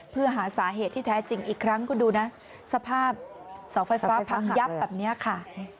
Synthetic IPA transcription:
pʰɯ˥˩ɐɦaː˩˦saː˩˦ɦeː˨˩t̪ʰːiː˥˩t̪ʰɛː˦˥t͡ɕi˧ŋʔiː˨˩kʰɾa˦˥ŋkʰuː˧nduː˧na˦˥ | sa˧pʰaː˥˩p̚ | sa˩˦wfa˧jfaː˦˥pʰa˧ŋja˦˥p̚bɛː˨˩p̚ni˦˥ɐkʰa˥˩

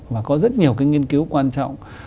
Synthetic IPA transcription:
vaː˨˩kɔ˨˦zə˦˥t̚ɲi˨˩əwkaː˨˦jŋi˧ənki˨˦wkwaː˧nt͡ɕɔ̰˧˨wŋ͡m

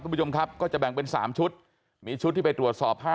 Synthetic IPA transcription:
t͡ɕo˧mkʰa˦˥p̚kɔː˥˩t͡ɕa˨˩bɛ˨˩ŋpe˧nsaː˩˦mt͡ɕʰu˦˥t̪̚ | miː˧t͡ɕʰu˦t̪ʰːiː˥˩pa˧jt̪ɾu˨˩ət̪̚sɔː˨˩p̚haː˥˩

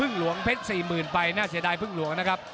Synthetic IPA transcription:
ɯ˥˩ŋlu˨˩˦əŋpʰe˦˥t̪̚siː˨˩mɯː˨˩npa˧jnaː˥˩si˩˦daː˧jpʰɯ˥˩ŋlu˩˦əŋna˦˥kʰp̚

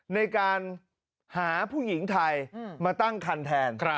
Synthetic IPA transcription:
na˧jkaː˧n | haː˩˦pʰuː˥˩ji˩˦ŋt̪ʰa˧jmaː˧t̪a˥˩ŋkʰa˧nt̪ʰɛː˧nkʰ

